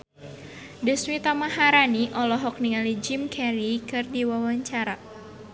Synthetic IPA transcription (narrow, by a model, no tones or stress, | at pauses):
dəswit̪amaɦaɾaniʔɔlɔɦɔk̚niŋalid͡ʒimkʰɛɾikɨrdiwawaɲt͡ʃaɾa